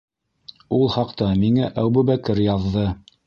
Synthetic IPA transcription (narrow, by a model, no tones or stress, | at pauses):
ulˠhɑqt̪ɑmiŋæʔæwbʉβækɘɾjɑðːɤ